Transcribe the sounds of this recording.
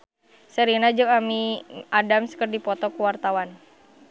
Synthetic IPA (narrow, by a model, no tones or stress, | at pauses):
səɾinad͡ʒukamiʔadamsə̥kərdipɔt̪ɔkuwart̪awan